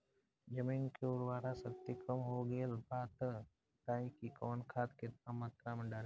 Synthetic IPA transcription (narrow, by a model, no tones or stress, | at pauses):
d͡ʒəmiːnkeʊɾwaːɾasəkt̪ikəmɦoɡeːlbaːt̪ | t̪ãːĩkikoːnkʰaːt̪kɪt̪̚namaːt̪ɾamɐ̃ɖaːɾe